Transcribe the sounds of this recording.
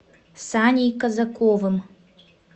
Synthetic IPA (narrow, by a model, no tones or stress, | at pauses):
sanʲijkɐzɐkovɨm